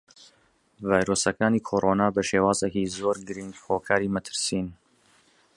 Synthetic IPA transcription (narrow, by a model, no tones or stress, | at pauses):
vaːjɾoːsɐkaːniːkʰoːɾʔoːnaːbɐʃeːwaːzekiːzoːɾɡɨɾiŋɡhoːkʰaːɾiːmɐt̪ʰɨ̥ɾsiːn